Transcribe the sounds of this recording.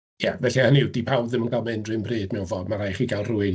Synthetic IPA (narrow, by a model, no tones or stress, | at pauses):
javɛɬihaniwdipʰawðɨmənɡalˠmaɪndrɨmbriːdmɛwvɔːdmaɾajχiɡalˠrʊɨ